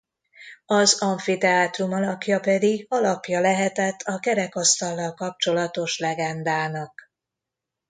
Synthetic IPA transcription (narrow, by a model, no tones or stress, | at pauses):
ɒzɒɱfit̪ɛaːt̪rumɒlɒkjɒpɛd̪iɡɒlɒpjɒlɛɦɛt̪ɛt̪ʰːɒkɛɾɛkɒst̪ɒlːɒlkɒp̚t͡ʃo̞lɒt̪o̞ʃlɛɡɛnd̪aːnɒk